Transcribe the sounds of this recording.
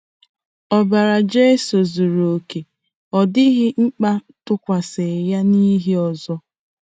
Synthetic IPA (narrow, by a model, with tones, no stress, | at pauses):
ɔ˨ba˨ɾa˨d͡ʒe˦so˨zu˨ɾo˨o˨ke˨ | ɔ˨dɪ˦ɣɪ˦ŋ͡m̩˦k͡pa˦ | tʊ˦kʷa˨se˨ja˦ni˦ɦi˦ɔ˨zɔ˦